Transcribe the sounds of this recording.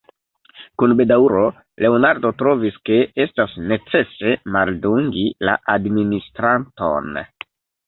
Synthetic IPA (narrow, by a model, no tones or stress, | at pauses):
kunbe̞dauɾo | le̞onaɾdo̞tɾo̞viske̞estasne̞t͡se̞se̞malduŋɡila̰ʔadministɾanto̞̰n